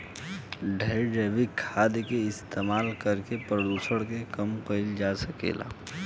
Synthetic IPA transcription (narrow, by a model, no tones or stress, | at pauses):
ɖʱəɖeʋikʰːaːd̪keɪst̪eːmaːlkəɾkepɾəd̪uːsəɽkekəmkəɪld͡ʒasəkḛːla̰ː